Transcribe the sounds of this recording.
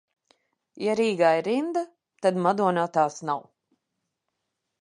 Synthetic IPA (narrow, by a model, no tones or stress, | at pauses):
jaɾiːɡajiɾind̪a | t̪ad̪mad̪uɔnat̪aːsnaw